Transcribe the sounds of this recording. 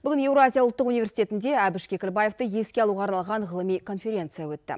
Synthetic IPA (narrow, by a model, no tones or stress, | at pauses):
bʏɡʲɪne̞wɾoazʲijaʊlˠt̪ːəqunive̞rsit̪e̞t̪ɪnd̪e̞æbɪʃkʲʰe̞kʲɪlbaje̞ft̪əje̞skʲeɑlˠuʁɑːɾnɑlˠʁɑɴʁəlˠəmijkʰo̞nfʲe̞ɾʲe̞nt̪sɨjawɵtt̪ːɪ̰